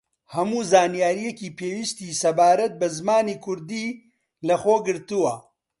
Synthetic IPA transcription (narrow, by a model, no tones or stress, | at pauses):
hɐmuːzaːnijaːɾijekiːpʰeːwist̪isɐbaːɾɐt̪̚bɐzmaːniːkʰʊɾd̪iː | lɐxoːɡɨɾt̪uwɐ